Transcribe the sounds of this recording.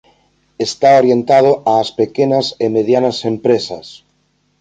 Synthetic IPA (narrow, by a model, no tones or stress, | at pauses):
est̪aoɾjent̪að̞oaːspekenasemeðjanɐsempɾesɐ̰s